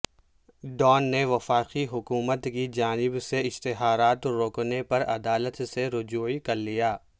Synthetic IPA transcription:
ɖɔːnːeʋɐfaːqiɦʊkuːmət̪kid͡ʒaːnɪbseɪʃt̪ɪɦaːɾaːt̪ɾoːknepɐɾɐ̰d̪aːlət̪seɾʊd͡ʒuːikɐɾlijaː

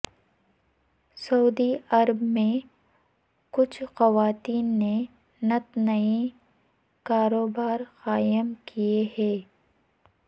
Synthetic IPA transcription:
sɐuːd̪iɐɾəbmẽ | kʊt͡ʃʰxɐʋaːt̪iːnːe | nɐt̪nɐi | kaːɾoːbaːɾxaːjəmkieɦɛː

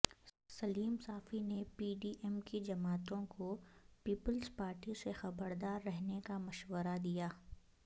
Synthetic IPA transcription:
sɐliːmsaːfinepiːɖiːʔɛmkid͡ʒɐmaːt̪õkopiːpəlzpaːɾʈisexɐbəɾd̪aːɾːɛɦnekamɐʃwəɾad̪ijaː

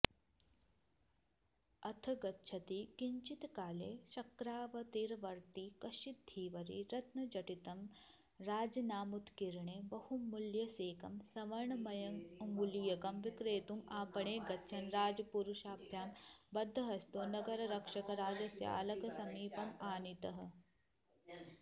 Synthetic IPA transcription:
ɐt̪ʰɐɡɐtːʃʰɐt̪ikiɲt͡ʃit̪kaːleːʃɐkɾaːʋɐt̪iɾʋɐɾt̪ikɐʃid̪ʱːiːʋɐɾḭɾɐt̪nɐd͡ʒɐʈit̪ɐm | ɾaːd͡ʒɐnaːmut̪kiɾɳebɐhumːuljɐseːkɐmsɐʋɐɾɳɐmɐjɐŋɐŋɡulijɐkɐmʋikɾeːt̪umaːpɐɳeːɡɐtːʃʰɐnɾaːd͡ʒɐpuɾuʃaːpʰjaːmbɐd̪ʱːɐɦɐst̪oːnɐɡɐɾɐɾɐkʂɐkɐɾaːd͡ʒɐsja̰ːlɐkɐsɐmiːpɐmaːnit̪ɐɦɐ̆

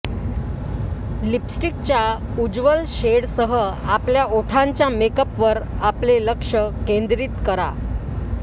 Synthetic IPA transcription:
lipsʈik̚t͡ɕja | ud͡ʑʋəlɕeɽsəɦəapljaoʈʰaɲt͡ɕjamekəpʋəɾapleləkʂəkẽnd̪ɾiːt̪kəɾa̰

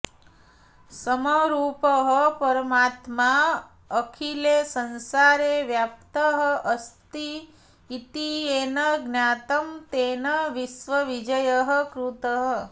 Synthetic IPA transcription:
səməɾuːpəɦəpɐɾəmaːt̪ma | əkʰilesənsaɾeʋjap̚t̪əɦəʔəst̪iː | t̪ieːnəɡnjaːt̪əmt̪enəʋisʋəʋid͡ʒəjəɦəkɾut̪əɦə

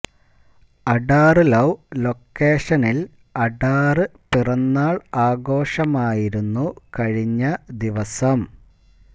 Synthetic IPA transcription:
ɐɖaːrɨlɐwlo̞kːeːʂɐnil | ɐɖaːrɨpirɐnːaːɭaːɡo̞ːʂɐmaːjiɾunːukɐɻiɲːɐd̪iʋɐsɐm

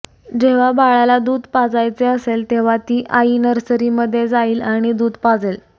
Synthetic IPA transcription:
d͡ʑeʋ̤abaɭalad̪uːd̪ʱpad͡zajt͡seəselt̪eʋ̤at̪iːʔainəɾsəɾiməd̪ʱːjed͡zaiːlaɽ̃id̪uːd̪pad͡zel

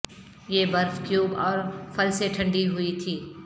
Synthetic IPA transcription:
jeːbɐɾfkjuːbɔːɾfɐlseʈʰɐ̃ɳɖiɦʊit̪ʰiː

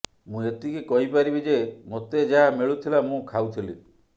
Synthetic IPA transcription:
mũet̪ikekɔɦipaɾibid͡ʒemot̪ed͡ʒaɦamiɭut̪ʰilamũkʰawt̪ʰili

